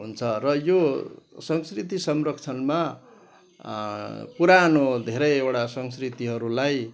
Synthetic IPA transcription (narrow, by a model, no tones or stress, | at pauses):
ɦunt͡sʰʌrʌjosʌŋskrit̪isʌmrʌkt͡sʰʌnma | puɾanod̪ʱeɾʌjewʈasʌŋskrit̪iɦʌɾulaj